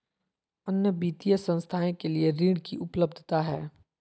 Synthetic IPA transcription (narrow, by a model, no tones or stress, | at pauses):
ənjəbiːt̪ijəsə̃nst̪ʰaːẽkelieɾiːɽkiʔʊpləb̚d̪ʱt̪aɦɛː